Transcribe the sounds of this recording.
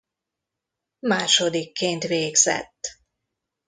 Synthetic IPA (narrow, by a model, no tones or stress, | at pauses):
maːʃod̪ikːeːnt̪ʋeːɡz̥ɛ̰t̪ː